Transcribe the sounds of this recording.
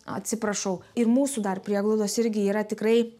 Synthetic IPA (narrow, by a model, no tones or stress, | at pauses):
ɐ̰t̪ʲsʲɪpɾɐʃɐʊɪrmuːsud̪ɐrpʲɾʲiɛɡlˠoʊd̪oːsɪɾʲɡʲɪiːɾɐt̪ʲɪkɾɐɪ